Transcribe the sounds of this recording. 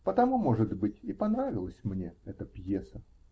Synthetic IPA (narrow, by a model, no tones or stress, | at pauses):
pət̪ɐmumoʐɨd̪bɨtʲɪpɐnɾavʲɪlˠəsʲmnʲeɛt̪əpjesə